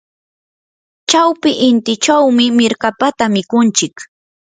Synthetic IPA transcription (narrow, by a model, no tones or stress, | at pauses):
t͡ʃawpɪʔɪnt̪ɪt͡ʃawmɪmɪɾkapat̪amɪkʊnt͡ʃɪk